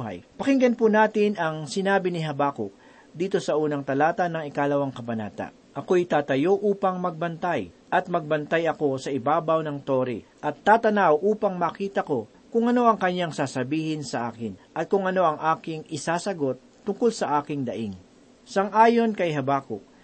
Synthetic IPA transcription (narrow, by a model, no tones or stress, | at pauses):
ɦa̰jpɐkɪŋɡɐnpunaːt̪ɪnɐŋsɪnaːbɪnɪɦɐbaːko | d̪iːt̪o̞sɐʔuːnɐŋt̪ɐlaːt̪ɐnɐŋɪkaːlɐwaŋkɐbɐna̰ːt̪a̰ʔ | ʔɐko̞jt̪aːt̪ɐjo̞ʔuːpɐŋmɐɡ̚bɐnt̪aj | ʔɐt̪̚mɐɡ̚bɐnt̪ajɐko̞sɐɪbaːbɐwnɐŋt̪o̞ːɾḭʔɐt̪ːaːt̪ɐnawʔuːpɐŋmɐkiːt̪ɐko̞ | kʊŋʔɐno̞ʔɐŋkɐɲjaŋsaːsɐbiːhɪnsɐʔaːkɪnʔɐt̪̚kʊŋɐno̞ʔɐŋʔaːkɪŋɪsaːsɐɡo̞t̪ːʊŋkolsɐʔaːkɪŋd̪ɐʔiŋ | sɐŋʔaːjo̞nkɐjɦɐbaːkʊʔ